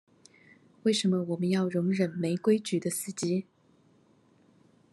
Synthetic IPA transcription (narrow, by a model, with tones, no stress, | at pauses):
we˥˩ɪʂə˧˥nmə˧wɔ˨˩mə˦njɑ˥˩ʊɻʊ˧˥ŋɻə˨˩nme˧˥ɪkwe˥ɪt͡ɕy˨˩d̪ə˦sɹ̩˥˩t͡ɕi˥